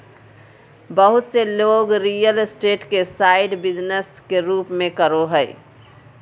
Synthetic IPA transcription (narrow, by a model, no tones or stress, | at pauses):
bəɦut̪seloɡɾijəlsʈeʈkesaɪɖbid͡ʒnəskeɾuːpmẽkəɾoɦəɪ